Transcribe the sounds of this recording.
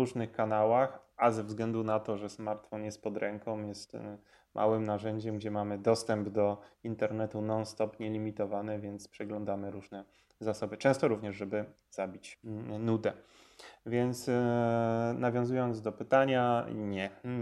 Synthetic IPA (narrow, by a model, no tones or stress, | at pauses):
uʐnɘxkanawaxazɛvzɡlɛnd̪unat̪ɔʐɛsmaɾt̪fɔnjɛst̪̚pɔd̪ɾɛŋkɔ̃mjɛst̪ | mʔa̰wɘmnaʐɛɲd͡ʑɛmɡd͡ʑɛmamɘd̪ɔst̪ɛmbd̪ɔint̪ɛɾnɛt̪unɔnst̪ɔpɲɛlʲimʲit̪ɔvanɛvʲjɛnt̪spʂɛɡlɔ̃nd̪amɘɾuʐnɛ | zasɔbɘt͡ʂɛ̃w̃st̪ɔɾuvɲɛʐʐɛbɘ | z̥abʲit͡ɕnud̪ɛ | vʲjɛnt̪s | navʲjɔ̃w̃zujɔnd̪zd̪ɔpɘt̪aɲaɲɛ